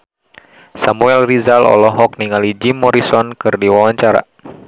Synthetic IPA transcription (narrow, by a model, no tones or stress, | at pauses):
samuɛlrizalɔ̰lɔɦɔk̚niŋalid͡ʒimːɔɾisɔnkɨrdiwawaɲt͡ʃaɾa̰